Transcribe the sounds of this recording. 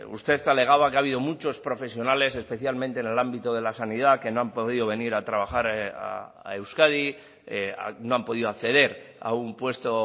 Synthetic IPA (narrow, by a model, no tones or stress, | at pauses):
ṵst̪e̞θale̞ɣ̞aβ̞akeaβ̞iðo̞mut͡ʃo̞spɾo̞fe̞sjo̞nale̞se̞spe̞θjalmẽnt̪ene̞lambit̪oð̞e̞lasanið̞ake̞noampo̞ðiðoβe̞niɾat̪ɾaβ̞axaɾa̰ | a̰ewskað̞i | a̰noampo̞ðiðoakθe̞ð̞e̞ɾa̰umpwe̞st̪o